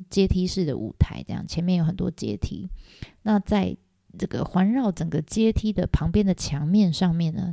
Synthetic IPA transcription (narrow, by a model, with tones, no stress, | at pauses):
t͡ɕjɛ˥t̪ʰi˥ʂɻ̩˥˩d̪ə̰˩ʔṵ˨˩t̪ʰa̰˧˥ɪʈ͡ʂɤ̰˥˧jɑ̰˥˩ŋt͡ɕʰjɛ˧˥nmjɛ˥˧njo˥ʊxə˨˩nt̪wɔ̰˥t͡ɕjɛ̰˥t̪ʰḭ˥na˥˧t͡sa˥˩ɪ | nɤ˥˩ɡə̰˩xwa˧˥nɻɑ˥˩ʊʈ͡ʂə˨˩ŋɡə˦t͡ɕjɛ˥t̪ʰi˥d̪ə˨pʰɑ˧˥ŋpjɛ˥nd̪ə˨t͡ɕʰjɑ˧˥ŋmjɛ˥˧nʂɑ˥˧ŋmjɛ˥˩nnə̰˩